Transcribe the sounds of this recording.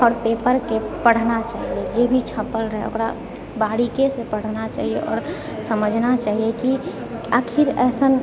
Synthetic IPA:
ɔːɾpepəɾkepəɽ̤nat͡ʃaːɦied͡ʒebʱit͡ʃʰəpːəlɾəɦɛ̰o̰kɾa̰ | baɽikesepəɽ̤nat͡ʃa̰ːɦieʔɔ̰ːɾ | səməd͡ʒʱnat͡ʃaːɦieki | əkʰiɾɛːsən

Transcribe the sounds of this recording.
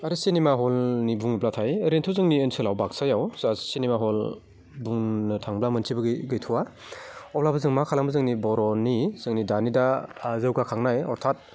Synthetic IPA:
aɾisinemaɦɔlnibuŋniblatʰajəɾentʰɯzɯŋniɯnsʰɯlawbak̚sajawzasinemaɦɔl | buŋnɯtʰaŋblamɯntʰibɯɡɯɡɯjtʰuwa | ɔplabɯzɯŋmakʰalambɯzɯŋnibɔɾɔnizɯŋnidanidaːzɯwɡakʰaŋnajɔɾtʰat̚

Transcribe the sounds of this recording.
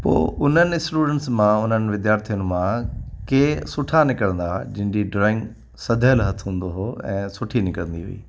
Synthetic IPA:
po̰ːʔʊn̤ənɪ̆sʈuːɖə̃ɳʈsmãʊn̤ənɪ̆ʋɪd̪jaːɾt̪ʰijʊn̆mãkeːsʊʈʰanɪkəɽə̃nd̪ad͡ʑɪ̃ɦɪ̃ɲd͡ʑiɖɾɔːɪ̃ŋɡ | sɐd̪ʱəlɦɐt̪ʰɦũːn̆d̪oɦoɛ̰̃ːsʊʈʰinɪkəɽə̃nd̪iɦṵḭː

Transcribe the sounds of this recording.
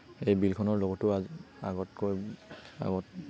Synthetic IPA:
ejbilkʰɔnɔɹlɔɡɔtʊaa̰ɡɔtkoja̰ɡɔt̚

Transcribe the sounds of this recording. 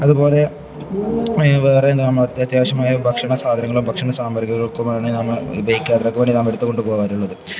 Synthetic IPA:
ɐðupo̞ːle̞ | ʋeːreend̪nɐmːɐɭɐt̪ɐt̪jaːɕɐmaːjɐbʱɐkʂɐɳɐsaːd̪ʱɐɾɐŋːɐɭumbʱɐkʂɐɳɐsaːmɐɾɡɐɣɐɭokːɐmaːɳɨnɐmːɐɭ̰bɐjkʲːaːt̪ːɐɾokːeʋeɳɖinɐmːɭeɽut̪ːkoɳɖupoːɣaːɾuɭːɐðɨ

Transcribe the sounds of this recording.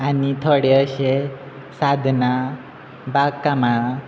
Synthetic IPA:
anit̪ʰoɽeəɕe | sad̪ʱna | bakːama

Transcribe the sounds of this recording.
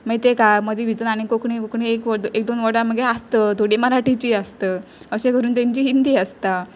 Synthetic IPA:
mət̪ekaməd̪ʱiʋid͡zənaɽ̃ikokɳikokɳiekʋəd̪ek̚d̪onʋəɽãməɡeast̪əd̪ʱoɽiməɾaʈit͡ɕiːəst̪əː | əɕẽkəɾuːnt̪ẽɲt͡ɕiːɦind̪iːəst̪a

